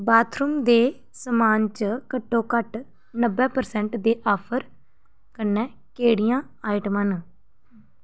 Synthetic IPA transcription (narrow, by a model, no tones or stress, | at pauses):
baːt̪ʰɾʊmd̪eː | səmaːnt͡ʃkəʈːõːkəʈ | nəbːɛːpəɾsɛ̃ːɳʈd̪eːʔɔːpʰəɾ | kənːɛ̃ː | keːɽijãː | aːɪʈman